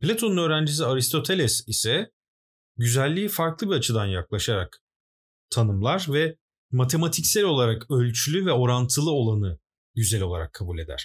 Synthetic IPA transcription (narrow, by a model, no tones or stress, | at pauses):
plʲat̪ʰonunø̞ːɾænd͡ʒis̬iaɾist̪ʰo̞t̪ʰe̞lʲɛsisɛ | ɟyzælʲːiːfaɾklˠɯbiat͡ʃʰɯd̪anjaklˠaʃaɾa̰k | t̪ʰanɯmlˠaɾvɛ | mat̪ʰe̞mat̪ʰicsɛlʲo̞lˠaɾakølʲt͡ʃʰylʲyvɛo̞ɾant̪ʰɯlˠɯo̞lˠanɯ | ɟyzɛlʲo̞lˠa̰ɾa̰kʰːabuːlʲe̞d̪æ̰ɾ̥